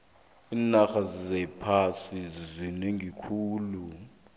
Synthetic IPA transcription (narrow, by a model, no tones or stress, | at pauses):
iːnaxazizɛpʰasizizineŋʱikʰuːlu